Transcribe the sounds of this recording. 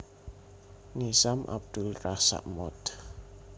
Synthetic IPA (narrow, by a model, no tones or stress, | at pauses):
nisamʔa̰b̚d̪̥ulrasa̰ʔmɔt̪